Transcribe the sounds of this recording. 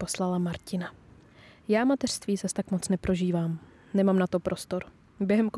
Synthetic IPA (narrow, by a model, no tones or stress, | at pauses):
po̞slalamaɾcɪna | jaːmat̪ɛr̥st̪viːzast̪akmot͡snɛpɾo̞ʒiːvaːm | nɛmaːmnat̪o̞pɾʔo̞st̪oɾ | bjɛɦɛmko